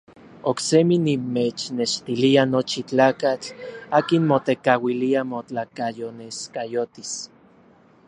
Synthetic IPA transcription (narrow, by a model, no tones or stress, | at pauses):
okseminimet͡ʃneʃt̪ilianot͡ʃit͡ɬaːkat͡ɬaːkinmot̪ekawiliamot͡ɬakajoneskajot̪is